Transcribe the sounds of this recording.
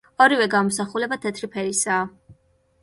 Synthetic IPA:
ɔɾivɛɡamɔsaχulɛbat̪ʰɛt̪ʰɾipʰɛɾisaː

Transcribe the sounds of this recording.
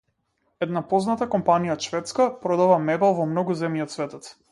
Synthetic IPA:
ɛd̪napɔznat̪akɔmpanijaʃvɛt̪skapɾɔd̪avamɛbalˠvɔmnɔɡuzɛmjiɔt̪svɛt̪ɔt̪

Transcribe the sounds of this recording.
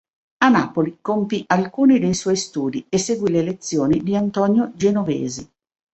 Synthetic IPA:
anaːpolikompiʔalkuːnid̪ejswɔjst̪uːd̪iesːeɡwilelet̪sːjoːnid̪iant̪ɔːnjod͡ʒenovḛːzi

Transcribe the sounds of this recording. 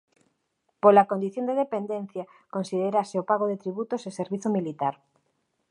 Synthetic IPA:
polakond̪iθjond̪eðepend̪ẽnθja | konsið̞eɾaseopaɣ̞oðet̪ɾiβut̪oseseɾβiθomilit̪aɾ

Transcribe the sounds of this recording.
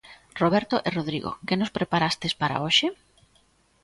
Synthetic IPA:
roβ̞ɛɾt̪oʔeroð̞ɾiɣo̰kɪnospɾepaɾast̪espaɾa̰oʃɪ

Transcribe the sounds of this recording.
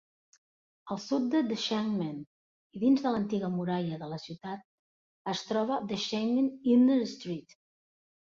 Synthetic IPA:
əlˠsut̪̚d̪əd̪əʃɛŋmən | iðinzðələnt̪iɣəmuɾaʎəðələsiwt̪at̪̚ | əst̪ɾɔβ̞əðəʃɛŋənind̪əɾst̪ɾit̪

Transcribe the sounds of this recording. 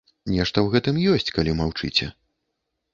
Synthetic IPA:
nʲɛʂt̪ɐwɣɛt̪ɨmjɔsʲt͡sʲkalʲimawt͡ʂɨt͡sʲɛ̰

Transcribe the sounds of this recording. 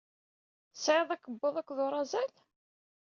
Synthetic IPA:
sʕeðˤækːəbːoðˤækʷːðoɾˤɑzæl

